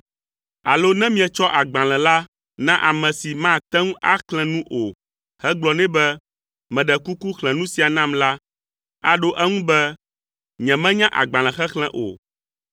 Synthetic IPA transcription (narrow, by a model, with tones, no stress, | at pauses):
a˨lo˦nɛ̃˦mĩ˦ɛ˨t͡ʃɔ˦ʔa˨ɡ͡bã˨lɛ̃˨la˦ | nã˦ʔa˨mɛ̃˨si˨mã˦˨t̪ɛ˦ŋũ˦ʔa˦klɛ̃˨nũ˦ʔo˨ | hɛ˦ɡ͡blɔ˨nɛ̃˦bɛ˦ | mɛ̃˨ɖɛ˨ku˦ku˦xlɛ̃˨nũ˦si˨a˨nã˦mla˦ | a˨ɖo˦ʔɛ˦ŋũ˦bɛ˦ | ɲɛ̃˨mɛ̃˦ɲã˦ʔa̰˨ɡ͡bã˨l̃ɛ̃˨xɛ˦xlɛ̃˦ʔo̰˨